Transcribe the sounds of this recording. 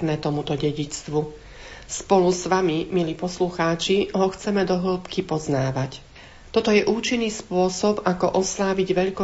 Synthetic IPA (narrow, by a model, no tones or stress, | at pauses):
nɛːt̪ɔmut̪ɔɟɛɟit͡st̪ʋu | spɔlusʋamimiliːpɔsluxaːt͡ʃiɦɔxt͡sɛmɛd̪ɔɦl̩pkipɔznaːʋac | t̪ɔt̪ɔjɛʔuːt͡ʃinːiːspʊɔsɔbakɔʔɔslaːʋiɟʋɛʎkɔ